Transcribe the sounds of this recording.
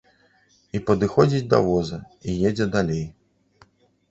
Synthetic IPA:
ipɐd̪ɨxɔd͡zʲid͡zʲd̪ɐ̰vɔzɐ | ijed͡zʲɛd̪alʲej

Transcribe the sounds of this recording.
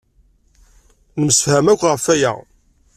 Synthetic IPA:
nəmsfhæmækʷːʁəfæjæ̰

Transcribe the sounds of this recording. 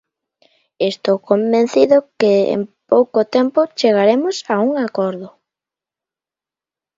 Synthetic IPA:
est̪owkombẽn̟θiðʊkɪḛmpowkot̪empʊt͡ʃeɣ̞aɾemʊsauŋakɔɾðʊ

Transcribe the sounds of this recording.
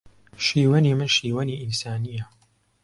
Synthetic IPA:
ʃiːwɐniːmɨnʃiːwɐniːʔinsaːnijɐ

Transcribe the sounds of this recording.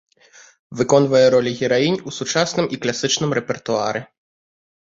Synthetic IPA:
vɨkɔn̪vɐjɛɾɔlʲiɣʲɛɾajinʲusut͡ʂasnɨmʔiklʲasɨt͡ʂnɨmɾɛpʲɛrt̪uaɾɨ

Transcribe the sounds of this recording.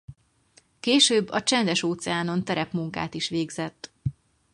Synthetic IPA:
keːʃøːbːɒt͡ʃɛnd̪ɛʃoːt̪sɛaːno̞nt̪ɛɾɛpmuŋka̰ːt̪iʃʋeːɡzɛt̪ː

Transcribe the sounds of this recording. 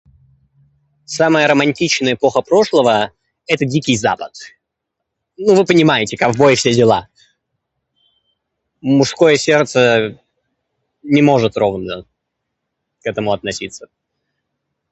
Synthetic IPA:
saməjəɾəmɐnʲtʲit͡ɕnəjəɪpo̞xəpɾo̞ʂlˠəvə | ɛt̪ədʲikʲɪjza̰pət̪ | nuvɨpənʲɪmajɪtʲɪkakvbo̞jfsʲedʲɪlˠa | mʊʂsko̞jəsʲe̞rt̪sə | nʲɪmo̞ʐɨt̪ɾo̞vnə | kɛt̪əmʊɐt̪nɐsʲit̪sə

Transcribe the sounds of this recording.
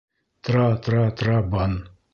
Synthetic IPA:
t̪ɾat̪ɾaːt̪ɾaban

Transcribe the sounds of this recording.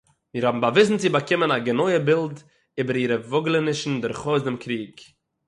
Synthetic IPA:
miːɾhɔbm̩bavɪs̬n̩t͡sɪbakɪmənaɡənɔɪəbɪlˠd | iːbəɾiːɾəvʊɡlˠənɪʃn̩dɪɾχɔzdɪmkɾiːk

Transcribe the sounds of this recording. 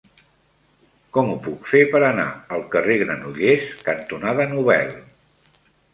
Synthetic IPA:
kɔmupukfepəɾəna̰əlˠkəreɣɾənuʎeskənt̪unaðənuβ̞ɛ̰lˠ

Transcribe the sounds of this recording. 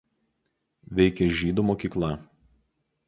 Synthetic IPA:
ʋʲɛɪkʲɛʒʲiːd̪uˑmoːkʲiːklˠɐ

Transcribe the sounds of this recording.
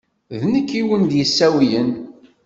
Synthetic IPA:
ðnəkːiwənd̪jəsːæwjən

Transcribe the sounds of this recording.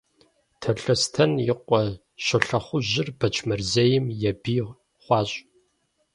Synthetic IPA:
tʰɐɬɐstʰɐnjɪqʷʼɔ | ɕɐɬɐχʷʊʑɪrbɐt͡ʃʰmɐrzejɪmjɛbiː | χʷɑːɕʼ

